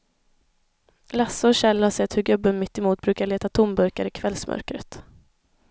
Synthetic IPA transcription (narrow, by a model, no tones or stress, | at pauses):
lasːʊɔɕɛlːhaʂɛt̪ːhɵɡɵbːənmɪt̪ːɪmuːt̪̚bɾʉ̟ːkaɭeːt̪at̪ʰʊmbœɾkaɾɪkʰvɛlsmʔœ̰ɾkɾə̰t̪